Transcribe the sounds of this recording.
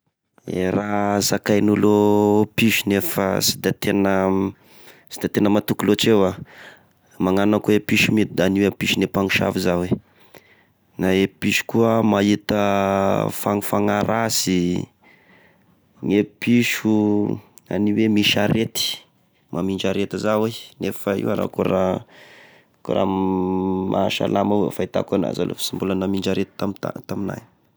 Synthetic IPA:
ḛɾazakajnulopiʃunefə̰sid̪at̪enə | si̥d̪at̪enəmat̪ukulot͡ʃewa | maŋanakuwepiʃumid̪d̪aniwepiʃunepaŋiʃa̰vizawe | naepiʃu̥kuəmait̪ə | faŋfaŋaɾasi | ŋepiʃu | a̰niwemiʃaɾet̪i̥ | mʔamind͡ʒaɾet̪azawenefaḭwaɾa̰kuɾa | kṵɾa̰ | mʔaʃa̰lamawfait̪a̰kuna̰za̰lʔo̰fi̥simbulanamiɳd͡ʒaɾet̪i̥t̪amt̪a̰t̪amina̰j

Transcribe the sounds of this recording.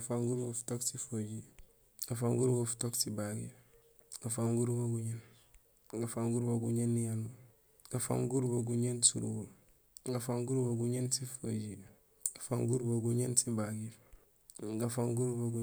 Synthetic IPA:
faŋɡuɾɡofu̥toksifoɟid | ɡafaŋɡuɾɡofu̥toksibaɡḭɾ | ɡ̥afaŋɡuɾbaɡuɲen | ɡafaŋɡuɾbaɡuɲenːijanu | ɡafa̰ŋɡuɾboɡuɲensṵɾṵɡuɾ | ɡafaŋɡuɾbaɡuɲensifod͡ʒida | ɡafaŋɡuɾbaɡuɲensibaɡif | ɡafaŋɡuɾbaɡu

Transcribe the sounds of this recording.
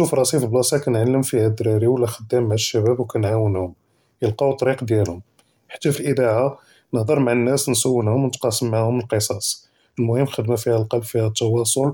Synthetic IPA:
ʃufɾˤɑsifblɑsɑkænʕalːəmfihæd̪ɾɑɾiwəlːæxəd̪ːæmːaʕʃːæbæbwkænʕawənhʊm | jəlqɑwt̪ˤɑɾiqd̪jælhʊm | ħḁt̪ːæfilʔəd̪aʕa | nəhd̪ˤəɾˤmaʕənːæsnsəwːənhʊmwnət̪qɑsːəmːaʕhʊmːəlqəsˤɑs | əlmʊhəmːxəd̪mæfihælqɑlbfihæt̪ːɑwɑsˤol

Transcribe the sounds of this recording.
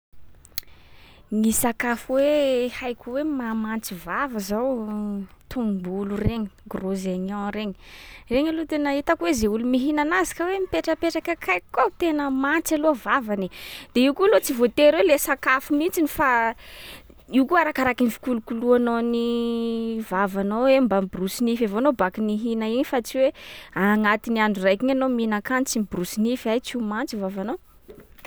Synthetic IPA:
nisakafuwehajkʲuwemamant͡sivavəzaw | t̪umbulureɲiɡrozaɲɔ̃ɾeɲireɲalot̪enait̪akwezeulumiɦinanazi̥kəwemipeʈ͡ʂəpeʈ͡ʂakakʰajkkːawt̪enəmant͡saloavavanid̪̥eiwkualot͡sivot̪eɾwelesakafumint͡sinifa | iwkuaɾakaɾakinifi̥kulukuluanoni | vavanoembambrusinifavanobakiniɦinaiɲfat͡siweaŋat̪inianɖ͡ʐurajkiɲanominakant͡simbrusinifajt͡simant͡sivavano

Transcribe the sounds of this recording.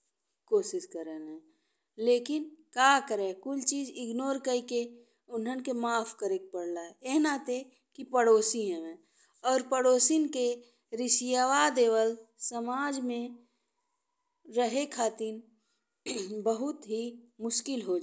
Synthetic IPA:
koːʃɪʃkəɾənɦɛ̃ː | leːkɪnkaːkəɾekʊlt͡ʃiːd͡ʒɪɡnoːɾkəike | ʊnɦənkemaːpʰkəɾek̚pəɽlaɦɛeɦnat̪e | kipəɽoːsiɦɛ̃ʋɛ̃ː | ɔːɾpəɽoːsinke | ɾɪsijaːʋaːd̪eːʋəlsəmaːd͡ʒmẽ | ɾəɦekʰaːt̪ɪn | bəɦʊt̪ɦimʊʃkɪlɦod͡ʒ

